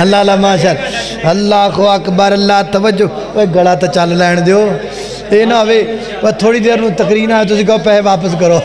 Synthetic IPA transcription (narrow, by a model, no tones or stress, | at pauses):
ɦəlːaːɦlaːmãːʃ̬əl | əlːaːkoːəkbaːɾəlːaːt̪əʋəd͡ʒo | eːɡəɽaːt̪ãːt͡ʃəllɛːɳ̃d̪eoː | eːnãːəʋeː | pət̪ʰoːɽiːd̪eːɾnũːt̪əkɾiːnaːeːt̪̬ʊsĩːkeoːpɛːʋaːpəskəɾoː